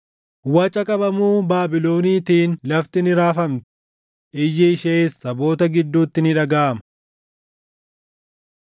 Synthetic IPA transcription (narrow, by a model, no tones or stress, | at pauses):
wɐt͡ʃʼɐkʼɐbɐmuːbaːbɪlo̞ːniːt̪iːnlɐft̪ɪnɪɾaːfɐmt̪ɪ̥ | ʔɪjːɪɪʃeːsːɐbo̞ːt̪ɐɡɪd̪ːuːt̪ːɪnɪᶑɐɡaːʔɐmɐ